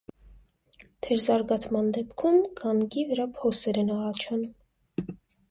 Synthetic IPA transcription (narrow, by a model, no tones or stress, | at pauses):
t̪ʰɛɾzɑɾɡɑt͡sʰmɑnd̪ɛpkʰumɡɑŋɡivəɾɑpʰɔsɛɾɛnɑrɑt͡ʃʰɑnum